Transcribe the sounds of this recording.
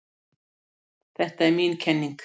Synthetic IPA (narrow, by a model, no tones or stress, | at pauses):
θɛht̪aɛɾmiːnkʰɛnːiŋk